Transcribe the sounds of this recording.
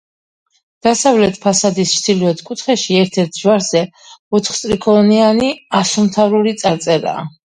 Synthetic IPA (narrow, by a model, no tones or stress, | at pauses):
d̪̥asavlɛt̪ʰpʰasad̪ist͡ʃd̪iliɔt̪ʰkʼut̪ʰχɛʃiɛɾt̪ʰɛɾt̪ʰʒwaɾz̥ɛ | ɔt̪ʰχt̪sʼɾikʰʼɔnianiasumt̪ʰavɾulit̪sʼaɾt̪sʼɛɾa̰ː